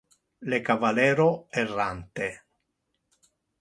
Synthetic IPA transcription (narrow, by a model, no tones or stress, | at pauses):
lekavalɛːɾoɛrːant̪e